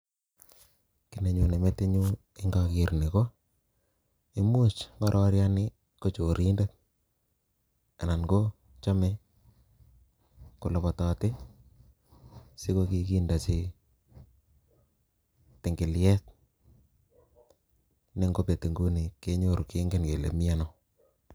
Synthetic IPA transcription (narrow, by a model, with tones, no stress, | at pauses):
ki˨ne˨ɲu˨ne˨me˦te˦ɲu˦ | e˦ŋɡa˦kɪ˨ɾni˨ko˦ | i˦mu˦t͡ʃma˦ɾʔɔ˦ɾja˦nɪ˦ | ko˦t͡ʃo˨ɾi˦nde˦t | a˨na˨nɡo˦ | t͡ʃa˦me˦ | ku˨lo˨pɔ˨tɔː˨tɪ˦ | sɪ˦ko˦ki˦kiː˦nda˨si˦ | tɪ˨ŋɡɪ˨ljɛ˦t̚ | ne˦ŋɡo˦pe˨te˨ŋɡu˦ni˨ke˦ɲo˦ɾu˨ke˦ŋɡe˦nke˨lḛ˨mi˦a˦nɔ˨